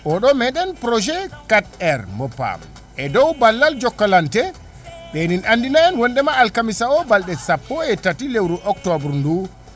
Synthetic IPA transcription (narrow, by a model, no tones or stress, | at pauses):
ʔɔɗɔmɛɗɛnpɾɔd͡ʒɛkat̚ɛɾmɔpa̰m | ʔɛdɔwbalːald͡ʒɔkːalantɛ | ɓɛninʔandinaɛnwɔndɛmaːlkamisaɔbalɗɛsapːɔɛtatilewɾuʔɔktɔbɾndu